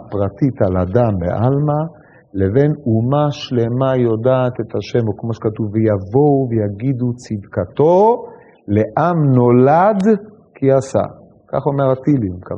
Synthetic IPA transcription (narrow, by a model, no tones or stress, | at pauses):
pʁat̪it̪aladambḛʔalma | le̞venumaʃle̞majo̞daːt̪e̞t̪haʃe̞mokmo̞ʃe̥kat̪uvejavo̞wvejaɡid̪ut͡sid̪kat̪o̞ | le̞ʔamno̞lad̪ | kʰiasa̰ | ka̰χo̞me̞ʁat̪ilimka̰v